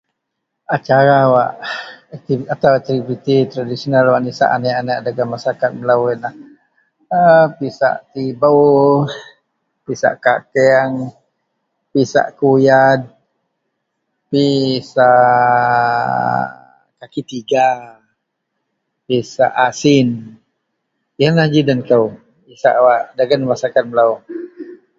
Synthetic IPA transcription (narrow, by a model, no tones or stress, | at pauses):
at͡ʃaɾawaʔɛk̚t̪iat̪awɛk̚t̪ivit̪it̪ɾadisionalwaʔnisa̰ʔa̰naʔanaʔadaɡamasakat̪̚məlawenah | əpisa̰ʔt̪ibə | pisa̰ʔkakɛaŋ | pisa̰ʔkujad̪̚ | pisaʔ | kakit̪iɡa | pisa̰ʔasin | janlahd͡ʒidankəw | isa̰ʔwaʔdaɡanmasakat̪̚məlaw